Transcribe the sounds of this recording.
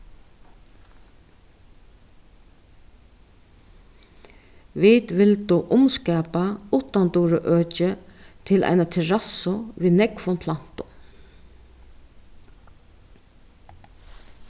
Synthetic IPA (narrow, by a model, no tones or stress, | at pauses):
ʋit̪ʋɪlt̪uʔʊmskɛːpaut̪ant̪uːɾəʔøːt͡ʃɪt̪ʰɪlʔa̰jnat̪ʰɪɹasʊʋiːnɛkfʊnpʰlan̥t̪ʊ